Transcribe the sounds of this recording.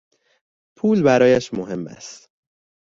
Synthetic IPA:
pʰuːlbæɾɒːjæʃmoɦe̞mːæ̰st̪

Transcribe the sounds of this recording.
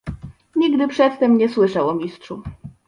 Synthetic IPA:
ɲiɡd̪ɘpʂɛt̪ːɛmɲɛswɘʂawɔmʲistʂu

